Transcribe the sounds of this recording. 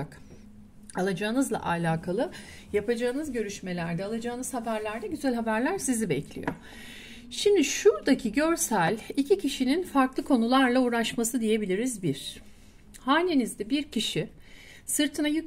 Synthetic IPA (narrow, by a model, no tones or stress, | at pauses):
k | alˠad͡ʒaːɯnɯzlˠa̰ʔalʲaːkʰalˠɯ | japad͡ʒaːɯnɯzɟø̞ɾyʃme̞lʲæɾd̪ɛalˠad͡ʒaːɯnɯz̥habæɾlʲæɾd̪ɛɟyzælʲɦabæɾlʲæɾsizibɛcʰlʲḭjo̰ | ʃimd̪iʃuɾd̪acʰiɟø̞ɾsælʲicʰicʰiʃininfaɾklˠɯkʰo̞nulˠaɾlˠauːɾaʃmasɯd̪ije̞bilʲiɾizbiɾ̥ | haninizd̪ɛbiɾcʰiʃi | sɯɾt̪ʰɯnajy